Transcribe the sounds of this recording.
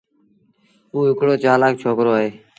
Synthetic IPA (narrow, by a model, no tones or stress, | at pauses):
uːɪkɽoːt͡ʃaːlaːkt͡ʃʰoːkɾoːəɦeː